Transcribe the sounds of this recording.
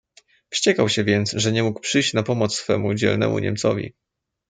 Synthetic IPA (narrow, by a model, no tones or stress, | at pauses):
fɕt͡ɕɛkawɕɛvʲjɛnt̪sʐɛɲɛmukpʂɘjɕt͡ɕnapɔmɔt̪ssfɛmud͡ʑɛ̰lnɛ̰mṵɲɛ̰mt̪sɔvʲḭ